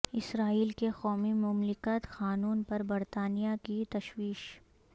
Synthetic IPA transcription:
ɪsɾaːiːlkexɔːmimʊmlɪkət̪xaːnuːnpɐɾbɐɾt̪aːnijakit̪ɐʃwiːʃ

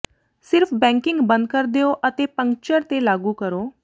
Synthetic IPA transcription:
sɪɾpʰbɛ̃ŋkɪ̃ŋɡbə̃nd̪̚kəɾd̪eoʔət̪epə̃ŋk̚t͡ʃəɾt̪elaːɡuːkəɾoː

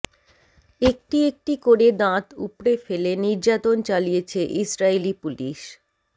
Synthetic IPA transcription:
ek̚ʈiek̚ʈikoɾed̪ãt̪upɾefeleniɾd͡ʑat̪ont͡ɕalijet͡ɕʰeʔisɾailipuliʃ

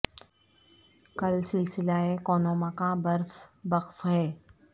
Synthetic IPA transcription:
kɐlsɪlsɪlaekoːnoːmãkãbɐɾfbɐqfɦɛː

